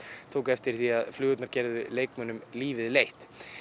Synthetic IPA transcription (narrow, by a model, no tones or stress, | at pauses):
t̪ʰoːwkɛft̪ɪɾ̥θiaðflʏːɣʏt̪naɾ̥cɛɾðʏleːjkmœːnʏmliːvɪðlejht̪